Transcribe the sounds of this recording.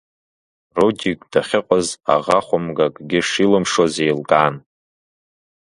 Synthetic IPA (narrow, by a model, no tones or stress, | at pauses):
rodikʼd̥aχʲɪqʷʼaza̰ʁaχʷʊmɡakʼɡʲɪʂilɨmʂozejlɡʼaːn